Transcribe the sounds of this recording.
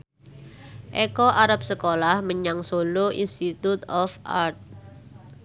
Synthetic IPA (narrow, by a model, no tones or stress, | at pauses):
ʔɛkɔʔaɾap̚səkolahməɲaŋsoloʔḭnst̪it̪ut̪ɔfa̰rt̪̚